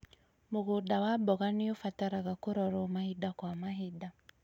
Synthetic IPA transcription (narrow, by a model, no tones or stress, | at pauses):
moɣodawabɔɣanijofataɾaɣakoɾɔɾɔmahidakwamaɦida